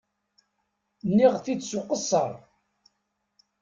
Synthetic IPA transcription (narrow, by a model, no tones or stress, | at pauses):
nːiʁθidsʊqəsˤːə̰ɾˤ